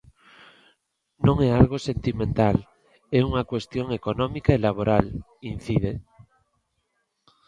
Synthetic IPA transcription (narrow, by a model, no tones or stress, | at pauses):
nõŋɛalɣosent̪imẽnt̪al | ɛuŋakwest̪joŋekonɔ̃mikaelaβ̞oɾal | inθið̞e